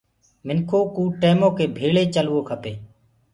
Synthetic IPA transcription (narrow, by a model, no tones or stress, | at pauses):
mɪnkʰoːkuːʈeːmõːkeːbʱeːɭeːt͡ʃəlʋoːkʰəpeː